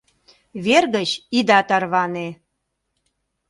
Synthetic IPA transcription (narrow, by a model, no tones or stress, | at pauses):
βerɣət͡ɕid̪ɑt̪ɑrβɑne